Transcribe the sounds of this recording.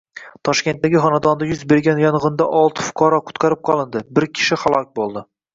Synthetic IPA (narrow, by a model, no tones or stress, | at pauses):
t̪ʰɒʃkʲe̞nt̪̚ːaɡʲɪχɒnad̪ɒnd̪ajʊzbe̞ɾɡʲanjɒnʁɨnd̪aʔɒlˠt̪ʰɪ̥fʊ̥qʰɒɾɒqʰʊ̥t̪qʰɑɾɪp̚qʰɒlˠɪnd̪ɪbɪɾkʲʰɪ̥ʃɪχalˠɒk̚ʲbolˠd̪ɪ